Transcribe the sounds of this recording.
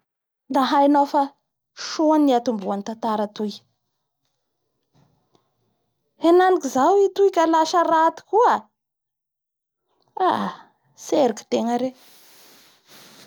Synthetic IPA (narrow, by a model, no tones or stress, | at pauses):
d̪aɦajnofa | ʃoanːiat̪umbuanit̪ant̪aɾət̪uj | enanikizawit̪ujkʲəlaʃərat̪i̥kua | a | seɾiki̥t̪eŋəɾe